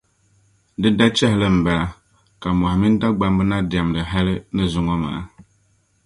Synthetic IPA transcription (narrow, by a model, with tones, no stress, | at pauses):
dɨ˦da˦t͡ʃɛ˦hɪ˨lɨ˦m̩˨bɛ˨la˨ | ka˨m˨ɔ˨ha˨mi˦n˦da˦ɡ͡ba˦m˦bɨ˦na˦dɪ˨a˨m˨dɨ˨ɦa˦lɨ˦nɨ˦zʊ˦ŋɔ˦ma̰ː˨a˦